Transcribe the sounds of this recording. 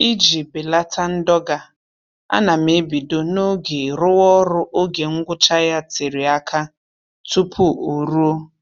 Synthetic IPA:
i˦d͡ʒi˨bɪ˨la˦tʰa˦n̩˦dɔ˦ɡa˨ | a̰˦na˨me˨˦bi˨do˦no˦ɡe˨ɾʊ˦wɔ˦ɾʊ˦ʔo˦ɡe˨ŋ̩˦ɡʷʊ˦t͡ʃa˦ja˦ti˨ɾi˨a˦kʰa˦ | tu˦pʰu˦o˨ɾu˦o˦

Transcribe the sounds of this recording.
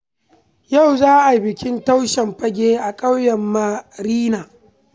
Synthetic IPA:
ja˦˨wzaː˦ʔa˨bɪ˨kʲɪ˦nta˦wʃɛ˨mɸɐ˦ɡʲeː˦ʔa˨kʼɐ˦wjɐ˨mːa˦ɾiː˦naː˨

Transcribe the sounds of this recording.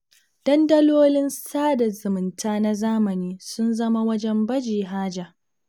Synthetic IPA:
d̥ɐ˦ndɐ˦loː˦lɪ˦nsaː˦da˨zʊ˨mɪ˨ntʰaː˦na˦zaː˦mɐ˨niː˦sʊ˦nzɐ˦ma˦wɐ˦d͡ʒɛ˦mbɐ˦d͡ʒiː˨ɦaː˦d͡ʒa˨ʔ

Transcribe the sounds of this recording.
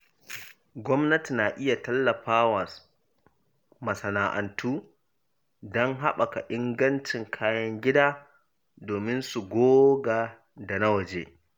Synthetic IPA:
ɡʷɔ˦mnɐ˦ti˨naː˨ʔɪ˦ja˨tɐ˦lːɐ˨ɸaː˦wa˨ | mɐ˨sɐ˨naː˨ʔɐ̰˨ntʰuː˦ | dɔ˦ŋɦa˦ɓa˨ka˨ʔɪ˦ŋɡɐ˦nt͡ʃɪ˨ŋkʰaː˦jɐ˦ŋɡʲɪ˦daː˦ | doː˨mɪ˦nsu˨ɡʷoː˦ɡa˨ | da˨na˦wɐ˨d͡ʒeː˦

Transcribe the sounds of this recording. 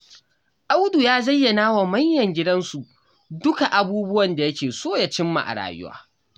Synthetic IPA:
ʔa˦wdu˨jaː˦zɐ˦jːɐ˨naː˦wa˨mɐ˦ɲjɐ˨ŋɡʲɪ˦dɐ˦nsu˨ | dʊ˦ka˨ʔa˨buː˦bʊ˦wɐ˨nda˨jɐ˦kʲeː˨soː˦ja˨t͡ʃɪ˦mːa̰˨ʔa̰˨ɽa̰ː˨jʊ̰˦wa̰ː˦

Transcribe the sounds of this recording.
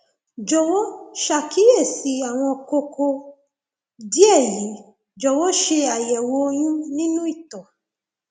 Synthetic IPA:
d͡ʒɔ˨wɔ˦ʃa˨ki˨˦e˦˨si˨˦a˨w̃ɔ̃˧ko˧ko˧ | di˦ɛ˦˨ji˨˦ | d͡ʒɔ˨˧wɔ˦ʃe˧a˨jɛ˨wo˧˦j̃ĩ˦nĩ˦nũ˦i˦˨tɔ˨

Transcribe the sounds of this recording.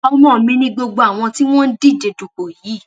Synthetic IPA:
ɔ˧mɔ̃ː˦˨˦mĩ˧nĩ˦ɡ͡bo˧ɡ͡bo˧a˨w̃ɔ̃˧ti˦w̃ɔ̃˦n̩˦di˦˨d͡ʒe˨du˨k͡po˨jiː˨˦˨

